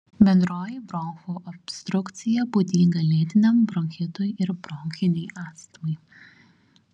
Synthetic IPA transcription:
bʲɛnd̪ɾoːjibɾɔːxuːʔɔpʲst̪ɾʊkt̪sʲɪjɛbuːd̪ʲiːŋɡɐlʲeːt̪ʲɪnʲɛmbɾɔŋʲkʲɛt̪ojɪɾbɾɔŋʲkʲɪnʲɛɪʔɑːt̪st̪ɐmɐɪ

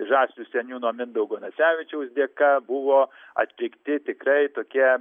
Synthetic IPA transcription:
ʒɑːsʲlʲuːsʲɛnʲuːnuɔmʲɪnd̪ɐʊɡoːnɐsʲæːʋʲɪt͡ʃʲɛʊsd̪ʲeːkɐbʊʋoː | ɐ̰t̪ʲlʲɪkt̪ʲɪt̪ʲɪkɾɐɪt̪oːkʲiɛ

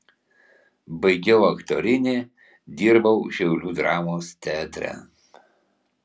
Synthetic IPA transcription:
bɐɪɡʲɛʊɐkt̪oːɾʲɪnʲeː | d̪ʲiːɾbɐʊʃʲɛʊlʲuːd̪ɾɑːmoːst̪ʲæːt̪ʲɾʲɛ̰

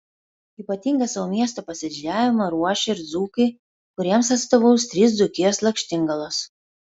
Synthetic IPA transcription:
iːpɐt̪ʲiːˑŋɡɐsɐʋoːmʲiɛst̪oːpɐsʲɛd͡ʒʲɪd͡ʒʲæːʋʲɪmɐɾuɔʃʲeɪɾd̪zuːkɐɪ | kʊɾʲiɛmsɐt̪st̪oːʋɐʊst̪ʲɾʲiːsd̪d̪ʊkʲislˠɐkʲʃʲt̪ʲɪŋɡɐlˠos

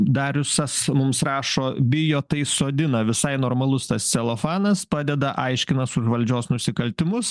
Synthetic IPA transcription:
d̪ɐɾʋʲɪsɐsmʊmsrɑːʃoːbʲɪjoːt̪ɐɪsoːd̪ʲɪnɐʋʲɪsɐɪnoːɾmɐlˠʊst̪ɐssʲɛlˠofɑːnɐspɑːd̪ʲɛd̪ɐʔɐɪʃʲkʲɪnɐsʊʒʋɐlʲd͡ʒʲoːsnʊsʲɪkɐlʲt̪ʲɪmʊs

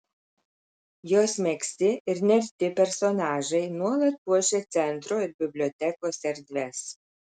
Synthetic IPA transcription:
joːsmʲɛksʲt̪ʲɪɪɾnʲɛɾʲt̪ʲɪpʲɛɾsoːnɑːʒɐɪnuɔlˠɐt̪̚puɔʒʲeːt̪sʲɛnt̪ɾoːɪɾbʲɪbʲlʲoːt̪ʲɛkoːsɐɾʲd̪ʲʋʲɛs

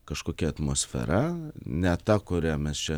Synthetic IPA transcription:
kɐʃkoːkʲɛɐt̪moːsʲfʲɛ̰ɾɐnʲɛt̪ɐkʊɾʲæmʲɛst͡ʃʲɛ

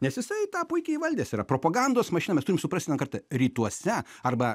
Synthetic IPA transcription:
nʲɛsjɪsɐɪt̪ɑːpʊɪkʲɛiʋɐlʲd̪ʲeːsiːɾɐpɾoːpɐɡɐnd̪oːsmɐʃʲɪnɐmʲɛst̪ʊɾʲɪmsʊpɐsʲt̪ʲɛnkɐrt̪ɐɾʲiːt̪uɔsʲɛɐrbɐ

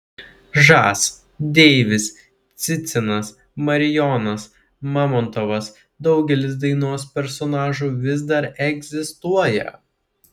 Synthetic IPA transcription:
ʒɑːs | d̪ʲɛːʋʲɪs | t̪sʲɪt̪sʲɪnɐs | mɐɾʲɪjɔnɐs | mɑːmɔnt̪ɔʋɐs | d̪ɒʊɡʲɛlʲɪs̬d̪ɐɪnuɔspʲɛɾsɔnɑːʒuːʋʲɪzd̪ɐɾɛɡzʲɪst̪uɔjɛ̰

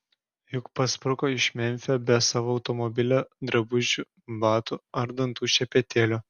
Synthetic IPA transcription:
jʊkpɐspɾʊkoːɪʃʲmʲɛmʲfʲobʲɛsɑːʋoːɐʊt̪ɔmɔbʲɪlʲod̪ɾɐbʊʒʲu | bɑːt̪uɐɾd̪ɐnt̪uːʃʲɛpʲɛt̪ʲeːlʲʊ

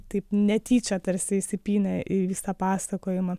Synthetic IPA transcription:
t̪ɐɪpnʲɛt̪ʲiːt͡ʃʲɐt̪ɐrʲsʲɪɪsʲɪpʲiːnʲɛʔiʋʲiːsɐpɑːsɐkoːjɪmɐ

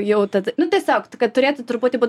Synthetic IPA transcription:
jɛʊt̪ɐd̪ɐnʊt̪ʲiɛsʲoːkkɐt̪̚t̪ʊɾʲeːt̪ʊt̪ʊɾbuːt̪ʲɪbuː

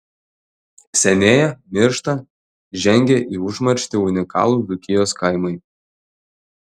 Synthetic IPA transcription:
sʲɛnʲeːjɛmʲɪɾʃt̪ɐ | ʒʲɛŋʲɡʲɛʔiːʊʒmɐɾʲʃʲt̪ʲɪʊnʲɪkɑ̰ːlˠuːd̪ʊkʲɪjoːskɐɪmɐɪ

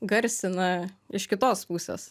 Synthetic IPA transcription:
ɡɐɾʲsʲɪnɐɪʃkʲɪt̪oːspuːsʲḛːs

